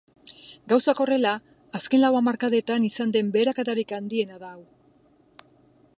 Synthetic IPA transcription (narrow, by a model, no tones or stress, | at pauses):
ɡawsako̞re̞laː | ske̞nlawamaɾkaðe̞t̪anisand̪e̞mbe̞ːɾakat̪aɾikand̪ie̞naðaːw